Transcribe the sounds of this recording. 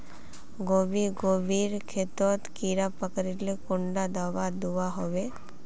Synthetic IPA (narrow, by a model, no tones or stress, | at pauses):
ɡoːbiɡoːbiɾkʰet̪ɔt̪kiːɾapəkɾilekʊ̃ɳɖad̪aʋad̪uaɦoʋe